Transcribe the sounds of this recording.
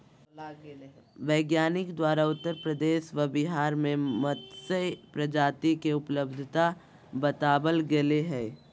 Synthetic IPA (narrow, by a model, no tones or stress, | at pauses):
ʋeːɡjaːnɪkd̪waːɾaʊt̪ːəɾpɾəd̪eːʃʋɐbɪɦaːɾmẽmət̪sepɾəd͡ʒaːt̪ikeʊpləbd̪ʱt̪a | bət̪aːbəlɡeleɦɛː